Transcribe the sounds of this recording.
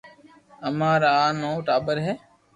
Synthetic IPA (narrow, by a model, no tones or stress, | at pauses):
əmãːɾaːnoːʈaːbəɾɦɛː